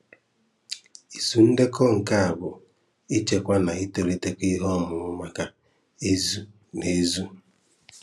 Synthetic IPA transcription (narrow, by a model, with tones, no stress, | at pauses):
i˨su˨n̩˦de˦kɔ˦ŋ̩˨ka˦a˨bʊ˨ | i˦t͡ʃe˨kʷa˦na˨i˦to˨ɾe˦te˦ki˦ɦɔ˦˨mʊ˨ɾʊ˦ma˦ka˦ | e˦zu˦ | ne˨˦zu˦